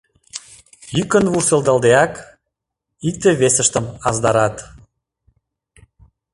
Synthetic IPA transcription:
jykə̆nβurseld̪ɑld̪eɑk | ik̚t̪eβesə̆ʃt̪əmɑzd̪ɑɾɑt̪

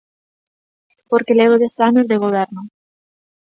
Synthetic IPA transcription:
poɾkeleβɾoðesanozðeɣ̞oβ̞ɛɾnʊ

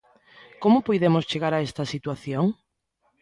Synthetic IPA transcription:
komʊpojðemʊst͡ʃeɣaɾaɛst̪ɐsit̪waθjoŋ

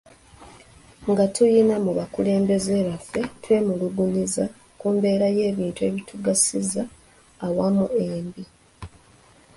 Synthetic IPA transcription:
ŋɡatʰujinamuβakule̞ːmbe̞zeːβafːe̞twe̞ːmuluɡuniza | kuːmbe̞ːɾaje̞ːβiːntue̞βitʰuɡasizaː | wamueːmbi

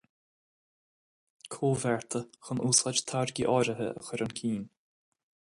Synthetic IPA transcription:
kʰoːvɛɹt̪ʰəxənʔuːsad͡ʒt̪ʰaɹɡiʔɔɾəɦə̰ʔə̰xʊɾənkʰiːn

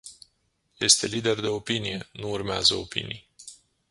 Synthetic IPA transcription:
je̞st̪e̞lid̪e̞rd̪e̞o̞pinije̞nuːrmeazəo̞pḭnḭj

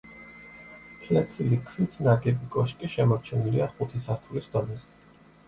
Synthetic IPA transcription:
pʰlat̪ʰilikʰvwit̪ʰnaɡɛbikʼɔʃkʼiʃɛmɔɾt͡ʃʰɛniliaχut̪ʰisaɾt̪ʰulisd̪̥ɔnɛzɛ̥

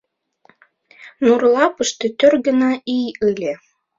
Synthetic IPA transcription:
nurlɑpɤʃt̪ĕt̪ørɡə̆nɑijɯlʲe

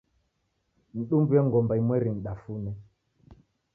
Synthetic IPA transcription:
n̩ɗumbujɛŋɡɔmbaimwɛɾin̩ɗafunɛ

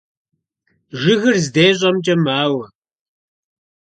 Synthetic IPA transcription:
ʒɪɣɨrzdeːɕ̬ʼɐmt͡ʃʼɐmaːwɐ

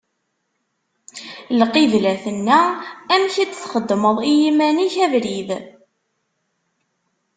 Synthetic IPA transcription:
lqiðlæθənːææmçit͡sːθχəd̪ːməðˤijimæniçævɾið

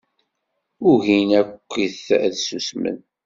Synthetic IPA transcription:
ʊʝinækʷːiθðsusmə̰n

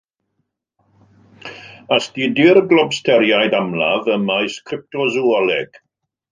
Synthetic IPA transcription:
asdidɪɾɡlˠɔbstʰɛɾjajdamla̰vəmajskʰrɪp̚tɔzuɔlɛɡ̥

